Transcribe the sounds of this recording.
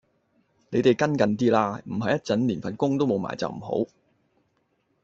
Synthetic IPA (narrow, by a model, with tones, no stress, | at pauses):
ne˨˧jt̪e˨˩jkɐ˥nkɐ˨nt̪iː˥laː˧m̩˨˩ɦɐ˨jɐ˥t̚t͡sɐ˨˥nliː˨˩nfɐ˨nkʊ˥ŋt̪o˥wmo˨˧wma̰ː˨˩jt͡sɐ̰˨˩wm̩˨˩ho̰˨˥w